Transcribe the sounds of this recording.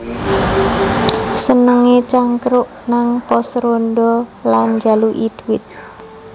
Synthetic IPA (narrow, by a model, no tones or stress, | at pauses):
sənəŋet͡ʃaŋkɾʊʔnaŋpɔsɾondɔland͡ʒaluʔidwɪt̪̚